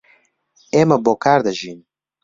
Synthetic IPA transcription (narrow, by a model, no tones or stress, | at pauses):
eːmɐboːkaːɾd̪ɐʒiːn